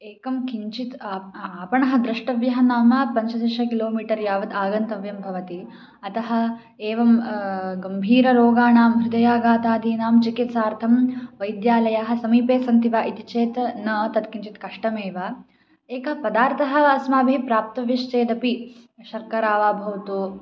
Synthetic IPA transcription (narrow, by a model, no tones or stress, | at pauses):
eːkɐmkiɲt͡ʃit̪ːaːpɐɳɐɦɐ̆d̪ɾɐʂʈɐʋjɐɦɐnaːmɐpɐɲt͡ʃɐt̪iʃɐkiloːmiːʈɐɾjaːʋɐt̪aːɡɐnt̪ɐʋjɐmbʱɐʋɐt̪i | ɐt̪ɐɦɐ̆ | eːʋɐmɡɐmbʱiːɾɐɾoːɡaːnaːmɦɾud̪ɐjaːɡaːt̪aːd̪iːnaːmt͡ʃikit̪saːɾt̪ʰɐmʋɐjd̪jaːlɐjaɦɐ̆sɐmiːpeːsɐnt̪iʋaːʔit̪it͡ʃeːt̪nɐt̪ɐt̪kiɲt͡ʃit̪kɐʂʈɐmeːʋaː | eːkɐɦɐpɐd̪aːɾt̪ʰɐɦɐ̆asmaːbʱipɾaːp̚t̪ɐʋjɐʃt͡ʃeːd̪ɐpiʃɐɾkɐɾaːʋaːbʱɐʋt̪u